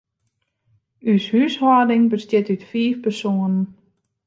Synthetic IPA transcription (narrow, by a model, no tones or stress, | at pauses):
yshyshɔːdɪŋbəstjɪtytfiːfpərsoənən